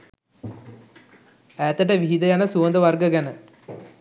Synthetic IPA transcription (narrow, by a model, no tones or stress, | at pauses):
æːt̪əʈəʋiɦid̪ɐjanəsuʋənd̪əʋarɡəɡɛnə